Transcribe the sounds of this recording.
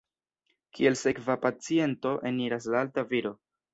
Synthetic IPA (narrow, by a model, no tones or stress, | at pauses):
kʰie̞lse̞kvapat͡sie̞nto̞ʔe̞niɾas̬laaltaviɾo̞